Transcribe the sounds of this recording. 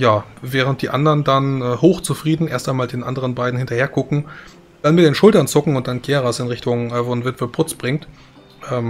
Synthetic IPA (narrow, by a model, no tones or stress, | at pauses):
jaːvɛːʁ̞ənt̚d̥iːʔandɐndanʔɛːhoːxt͡sufʁ̥iːdn̩ʔeːɐstaɪnmaːldeːnʔa̰ndəʁ̞ənbaɪdn̩hɪntɐheːɐkʰʊkŋ̩ | d̥anmɪt̚d̥eːnʃʊltɐnt͡sʊkŋ̩ʊnt̚d̥anɡ̥ʰeːʁasɪnʁɪçtʊŋːvonvɪtv̥əb̥ʁʊt͡sb̥ʁɪŋt | ʔɛːm